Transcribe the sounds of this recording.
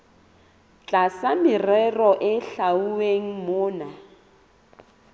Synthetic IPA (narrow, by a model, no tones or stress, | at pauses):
t͡ɬʼasamɪrɛrɔʔɪɬauweŋ̩mʊːna